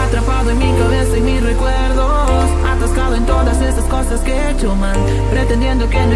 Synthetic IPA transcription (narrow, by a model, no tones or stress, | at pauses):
at̪ɾapaðʊẽŋmĩŋkaβeθemirekweɾðo | sat̪askaðʊẽnt̪oðɐsesɐskojsɐske | t͡ʃomaŋ | pɾet̪ẽnd̪jẽnd̪ʊken